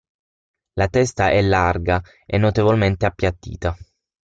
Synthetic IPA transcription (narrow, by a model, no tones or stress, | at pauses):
lat̪ɛst̪aʔɛlːarɡa | ɛ̰nːot̪evolment̪eapːjat̪ːḭːt̪a